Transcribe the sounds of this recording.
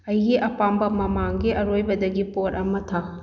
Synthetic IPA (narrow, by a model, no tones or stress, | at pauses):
ɐjɡiʔɐpambɐmɐmaŋɡiʔɐɾojbɐdɐɡipoɾɐmɐtʰa